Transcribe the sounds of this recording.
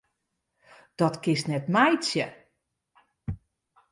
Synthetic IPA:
d̥ɔtkɪstnɛtmɛjt͡sjə

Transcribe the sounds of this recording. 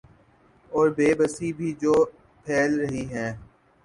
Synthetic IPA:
ɔːɾbeːbəsiːbʱiːd͡ʒoː | pʰɛːlɾəɦiɦɛ̃ː

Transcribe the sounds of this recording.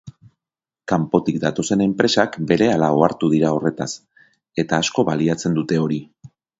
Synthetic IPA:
kampo̞t̪ikd̪at̪o̞se̞ne̞mpɾe̞sakbe̞ɾe̞alao̞aɾt̪uð̞iɾao̞re̞t̪as | e̞t̪aːsko̞βaliat͡se̞nd̪ut̪e̞o̞ɾi

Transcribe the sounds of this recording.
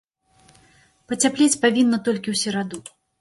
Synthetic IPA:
pɐt͡sʲaplʲet͡sʲpavʲinːɐt̪ɔlʲkʲiwsʲɛɾad̪u

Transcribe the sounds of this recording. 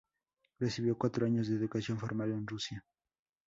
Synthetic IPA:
resiβjokwat̪ɾoaɲozðeːðukasjonfoɾmalenrusja

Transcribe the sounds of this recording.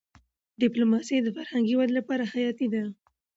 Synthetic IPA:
ɖɪplomɑsejd̪əfaɾhaŋɡiwad̪lapɑɾaxajɑt̪id̪a

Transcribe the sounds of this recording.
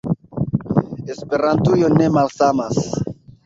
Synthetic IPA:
espe̞ɾantujo̞ne̞malsamas

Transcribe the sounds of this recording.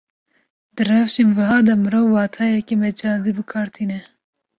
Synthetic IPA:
d̪ɨrɛvʃenvɨɦɑːd̪ɐmɨɾoːvwɑːt̪ʰɑːjɛkemɛd͡ʒɑːd̪ibɨkʰɑːɾt̪ʰiːnɛ

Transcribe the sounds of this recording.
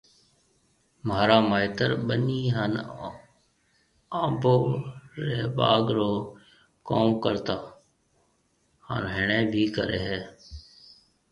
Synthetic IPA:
maːɾaːmaːɪt̪əɾɓəniːɦən | aːboːɾeːba̰ːɡɾoː | koːmkəɾt̪aː | hə̰nɦɪɳeːbʱiːkəɾeːɦɛː

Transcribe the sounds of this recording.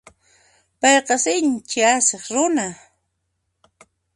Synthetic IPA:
pɑjqɑsɪnt͡ʃɪaseχɾʊna

